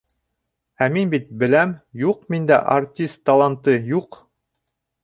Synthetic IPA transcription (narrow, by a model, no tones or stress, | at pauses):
æminbit̪̚bɘ̆læmjuq̚mind̪æ̰ʔɐrtʲist̪ːɐlˠant̪ɤjuq